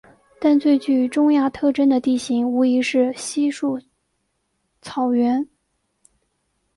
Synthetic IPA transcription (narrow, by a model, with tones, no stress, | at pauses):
t̪a˥˧nt͡swe˥˧ɪt͡ɕy˥˩˧ʈ͡ʂʊ˥ŋja˥˧t̪ʰɤ˥˧ʈ͡ʂə˥nd̪ə˨t̪i˥˩ɕi˧˥ŋu˧˥i˧˥ʂɻ̩˥˩ɕi˥ʂu˥˩ | t͡sʰɑ˨˩ʊɥɛ˧˥n